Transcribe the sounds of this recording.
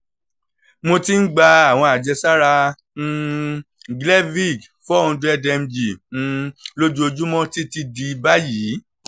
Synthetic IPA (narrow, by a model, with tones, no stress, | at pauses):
mo˧ti˦n̩˦ɡ͡ba˧a˨w̃ɔ̃˧a˨d͡ʒɛ˧sa˦ɾã˧ | ɡlɛ˦vi˦˨ɡ | fɔ˦˨˧ũ˧du˦ɛ˦dɛ˧m̩˦d͡ʒĩ˨˦˧ | lo˦d͡ʒu˦o˧d͡ʒu˦mɔ̃˦ti˦ti˧di˧ba˦ji˨˦